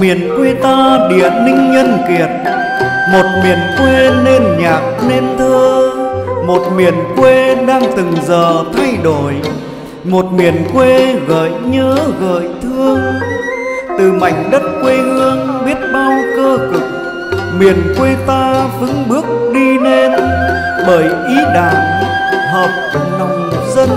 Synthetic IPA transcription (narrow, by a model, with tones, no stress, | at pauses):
mi˨˩ənkwe˧t̪aː˧ɗḭ˧˨ənï˧ŋ̟ɲə˧nki˨˩ət̚ | mo˨˩t̚mi˨˩ənkwe˧ne˧nɲaː˨˩k̚ne˧nt̪ʰəː˧ | mo˨˩t̚mi˨˩ənkwe˧ɗaː˧ŋt̪ɨ˨˩ŋzəː˨˩t̪ʰa˧jɗo˧˩j | mo˨˩t̚mi˨˩ənkwe˧ɣə̰ː˧˨jɲəː˨˦ɣə̰ː˧˨jt̪ʰɨ˧əŋ | t̪ɨ˨˩ma˨˩jŋ̟ɗə˦˥t̚kwe˧hɨ˧əŋɓi˦˥ət̚ɓa˧wkəː˧kɨ˨˩k̚ | mi˨˩ənkwe˧t̪aː˧fɨ˨˦ŋɓɨ˦˥ək̚ɗi˧ne˧n | ɓəː˧˩jʔi˨˦ɗa̰ː˧˨ŋhəː˨˩p̚na˨˩wŋ͡m | zə˧n